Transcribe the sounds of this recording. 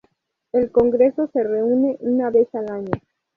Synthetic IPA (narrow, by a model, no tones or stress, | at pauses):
e̞lko̞ŋɡɾe̞so̞se̞re̞une̞ʔunaβe̞salaɲo